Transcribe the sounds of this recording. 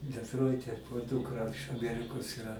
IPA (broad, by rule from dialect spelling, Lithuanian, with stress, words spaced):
dʲɛtˈroːɪtʲɛ oː ˈduːkrɐ ɪʃ ɐˈmʲæːrʲɪkoːs ɪˈrɐ